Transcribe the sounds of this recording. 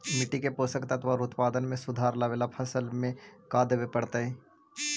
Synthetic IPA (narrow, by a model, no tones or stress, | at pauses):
mɪʈikepoːsəkt̪aɐt̪ʰʋaɾʊt̪paːd̪ənmẽsʊd̪ʱaːɾlaʋeːlapʰɐsəlmẽkaːd̪eʋepɐɽt̪aɦɛ̃ː